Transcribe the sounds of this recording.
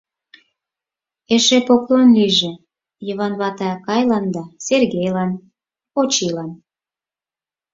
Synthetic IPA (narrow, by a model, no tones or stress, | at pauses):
eʃepoklonlyʒĕ | jəβɑnβɑt̪ɑkɑjlɑnd̪ɑserɣejlɑn | ot͡ɕilɑn